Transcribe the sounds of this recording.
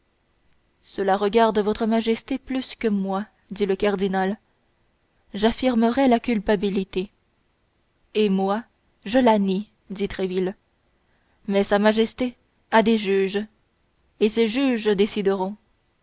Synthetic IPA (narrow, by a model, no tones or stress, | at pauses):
səlaʁəɡaʁd̪əvɔt̪χəmaʒɛst̪eplyskəmwa | d̪iləkaʁd̪inal | ʒafiʁməʁɛlakʲylpabilit̪e | emwa | ʒəlani | d̪it̪χevil | mɛsamaʒɛst̪e | ad̪eʒyʒ | eseʒyʒd̪esid̪əʁɔ̃